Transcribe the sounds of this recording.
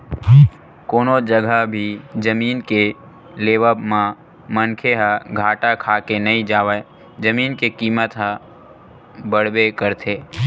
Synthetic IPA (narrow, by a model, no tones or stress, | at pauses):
koːnod͡ʒəɡʱəbʱid͡ʒəmiːnke | leːʋəbmã | mənkʰeɦəɡʱaːʈakʰaːkenɐɦĩd͡ʒaːʋə | d͡ʒəmiːnkekiːmət̪ɦə | bəɽ̤bekəɾt̪ʰeː